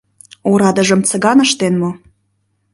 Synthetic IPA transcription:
oɾɑd̪ə̆ʒə̆mt͡sə̆ɡɑnəʃt̪enmo

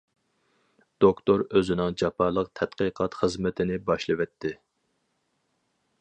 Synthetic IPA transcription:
d̪̥okt̪oɾøzɪnɪŋd͡ʒɑpʰɑlˠəqt̪ʰɛt̪qəqʰɑt̪χəzmɪt̪ʰɪnɪbɑʃlˠɨwɛt̪ʰːɪ

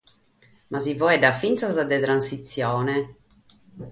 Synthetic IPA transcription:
mʔazivɔɛdafint̪sazad̪ɛt̪ɾansit̪sːjɔːnɛ

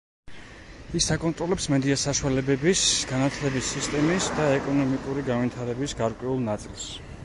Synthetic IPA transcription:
isakʼɔnt̪ʼɾɔlɛpsmɛd̪iasaʃualɛbɛbisɡ̥anat̪ʰlɛbisːist̪ʼɛmisd̪aɛkʼɔnɔmikʼuɾiɡanvit̪ʰaɾɛbisɡaɾkʼwɛulˠnat̪sʼilˠs

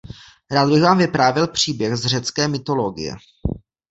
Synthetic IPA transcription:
ɾaːd̪bɪɣvaːmvɪpɾaːvɪlpr̝̥iːbjɛxzr̝ɛt͡skɛːmɪt̪o̞lo̞ɡɪ̰jɛ̰

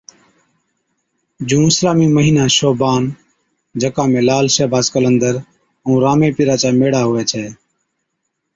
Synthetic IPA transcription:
d͡ʒũːɪslaːmiːməɦiːnaːʃoːbaːn | d͡ʒəkãːmẽːlaːlʃeːbʱaːskələnd̪əɾ | ũːɾaːmẽːpɪɾaːt͡ʃaːmeːɽaːɦʊʋɛːt͡ʃʰɛː

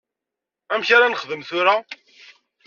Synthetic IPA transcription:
æmçaɾanəχðəmθʊɾa

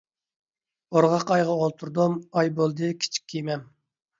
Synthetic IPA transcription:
oɾʁɑqɑjʁɑolˠt̪ʰuɾd̪umɑjbolˠd̪ɨkʲʰi̥t͡ʃʰi̥kʲʰːijmɛm

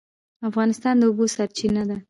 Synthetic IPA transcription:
afɣɑnɪst̪ɑnd̪əubosaɾt͡ʃinad̪a

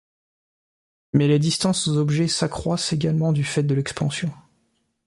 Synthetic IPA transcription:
mɛled̪ist̪ɑ̃szɔbʒɛsakχwaseɡalmɑ̃d̪yfɛt̪̚d̪əlɛkspɑ̃sjɔ̃

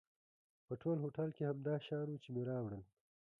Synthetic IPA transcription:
pəʈʰolɦoʈɐlkehamd̪ɑːʃɑːnut͡ʃemeɾɑːwɽən

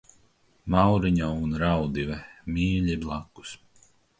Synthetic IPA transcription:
mawɾiɲaunɾawd̪ivɛmʲiːʎʲiblˠaku̥s

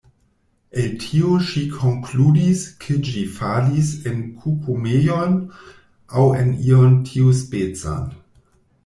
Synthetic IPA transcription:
eltʰioʃikʰoŋkludiskʰed͡ʒifalisenkʰupʰumejon | awḛniontʰiuspet͡sa̰n

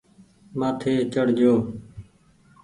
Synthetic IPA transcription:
maːt̪ʰeːt͡ʃəɽ̤d͡ʒʱoː

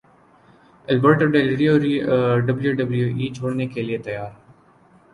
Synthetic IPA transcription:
əlbəɾʈəɾɖelɪɾijoɾiɖəbljuɖəbljuːʔiːt͡ʃʰoːɽnekelɪiet̪ɐjaːɾ

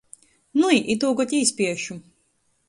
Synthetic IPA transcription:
nuiʔit̪uːɡɔt̪ʲiːsʲpʲiɛʃu

